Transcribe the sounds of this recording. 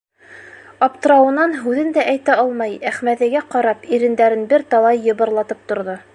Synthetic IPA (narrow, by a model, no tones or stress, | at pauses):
ɑpt̪ɤ̆ɾɑwɤ̆nɑnɦʉðɘnd̪æʔæjt̪æɑlˠmɑjæχmæðɘ̆ɡæqɑɾɑpiɾɘ̆nd̪æɾɘnbɘɾt̪ɑwˠɑjːɤ̆βɤ̆ɾlˠɑt̪ɤp̚t̪ŏɾðo